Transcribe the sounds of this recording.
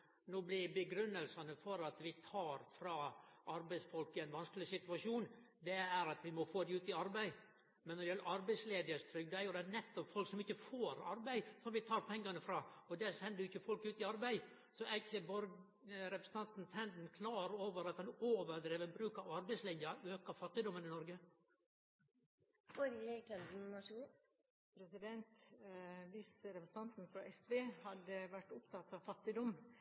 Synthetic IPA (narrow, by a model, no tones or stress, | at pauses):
noːblɪbəɡɾʏnːəlsɑnəfɔɾɑt̪ʋɪt̪ʰɑːɾfɾɑːʔɑɾbæɪsfɔlkːəæɪnʋɑnsklɪsɪt̪ʉɑʂuːn | d̪ɛæɾɑt̪ʋɪmɔfoːd̪ɛʉːt̪ɪɑɾbæɪ | mɛnːɔd̪ɪjɛlːəɾʔɑɾbæɪsleːd̪əst̪ʰɾʏɡ̚d̪ɔæɾjʊd̪ɛnɛt̪ːɔpfɔlksɔmɪçːəfoːɾɑ̰ɾbæɪsɔmʋɪt̪ʰɑːɾpʰɛŋːɑnəfɾɑːɔd̪æsɛnd̪əjʊɪçːəfɔlkʉːt̪ɪɑɾbæɪ | sɔɛɪçːəbɔɾ | ɾɛpɾəsət̪ɑnt̪n̩t̪ʰɾɛnd̪n̩kʰlɑːɾoːʋəɾɑt̪hɑnoːʋəɾd̪ɾeːʋəɾbɾʉːkɑʋɑɾbæɪslɪnjəɾøːkəɾfɑt̪ːɪd̪ɔmːənɪnɔɾɡə | ɔɾekɛnɪnɔmɑʂuːn | pʰɾɛsɪd̪ɛnt̪ | ʋiːsɾɛpɾəsə̥n̩ɑnt̪nfɾɑʔɛsʋeːhɑd̪əʋæʈːʊpt̪ʰɑt̪ːɑʋfɑt̪ːɪd̪ɔm